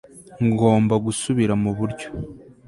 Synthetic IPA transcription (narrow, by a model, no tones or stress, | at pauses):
ŋɡo̞ːmbaɡusuβiɾamuβuɾɟo̥